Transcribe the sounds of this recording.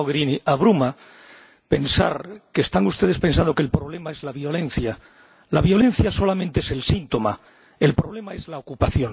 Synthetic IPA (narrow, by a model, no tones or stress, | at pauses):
oɣɾiniaβ̞ɾuma | pe̞nsa̰ɾkest̪aŋust̪e̞ðespe̞nsãnd̪o̞kelpɾo̞β̞le̞mae̞zlaβjo̞lẽ̞n̟θja | laβjo̞le̞n̟θjaso̞lamẽnt̪e̞ese̞lsint̪o̞ma | e̞lpɾo̞βle̞mae̞zlaokupaθjo̞n